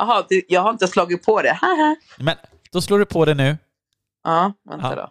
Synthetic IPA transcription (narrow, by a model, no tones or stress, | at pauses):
ɑɦɑd̪ʉjɑːɡhaɾɪnt̪əslɑːɡɪt̪̚pʰɔd̪ɛhaɦa | mɛn | d̪̥ɔsloːɖɵpʰɔd̪ɛnʉ̟ː | ʔɑːvɛ̰na̰dɔ̰